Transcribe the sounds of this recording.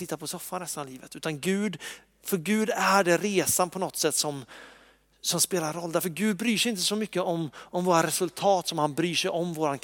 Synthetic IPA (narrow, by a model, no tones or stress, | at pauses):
ɪt̪ːapʰɔsɔfːanɛst̪anvliːvət̪ʉ̟ːt̪anɡʉ̟ːd̪ | fœɾɡʉ̟ːd̪æɖɛɾeːsanpʰɔnɔt̪sɛt̪ːsɔm | sɔmspeːlaɾɔlːd̪æɾfəɾɡʉ̟ːd̪̚bɾyːʂɛɪɪnt̪əsɔmʏkːəɔmːɔmvoːɾaɾɛsɵlt̪ʰɑːt̪sɔmhanbɾyːʂɛjɔmvoːɾank